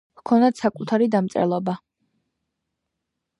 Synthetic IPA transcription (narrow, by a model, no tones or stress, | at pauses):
vkʰɔnd̪at̪sakʼut̪ʰaɾid̪amt̪sʼɛ̰lˠɔba